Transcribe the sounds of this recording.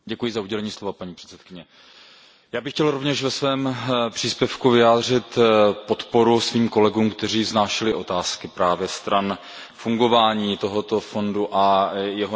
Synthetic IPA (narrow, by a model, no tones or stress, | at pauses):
ɟɛkujɪzauɟɛlɛɲiːslovapaɲiːpr̝̥ɛ̥t̪t͡sɛt̪kɪɲɛ | jaːbɪxcɛlɾovɲɛʃvɛsvɛːmpr̝̥iːspjɛfkuvɪaːd̪r̝ɪt̪po̞t̪po̞ɾusviːmko̞lɛɡuːmkt̪ɛriːznaːʃɪlɪʔo̞t̪aːskɪpɾaːvjɛst̪ɾan | fuŋɡo̞vaːɲiːt̪o̞ɦo̞t̪o̞fo̞nduʔajɛɦo